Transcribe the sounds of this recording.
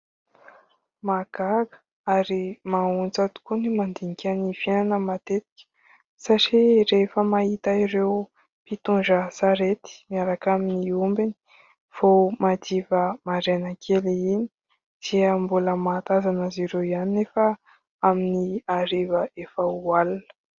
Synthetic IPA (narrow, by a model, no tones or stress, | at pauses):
maɡaɡə̥ | aɾimaunt͡sat̪u̥kunimand̪iŋikʲanifiananəmat̪et̪i̥kʲə̥ | saʈ͡ʂiɾefəmaɦit̪aiɾew | pit̪und͡ʒəsaɾet̪i̥miaɾakaminiumbini̥ | fomad̪ivəmaɾenəkʰeleini̥ | d̪̥iəmbuləmat̪azanəziɾewiannefə | aminiaɾivəʔefəualunə̥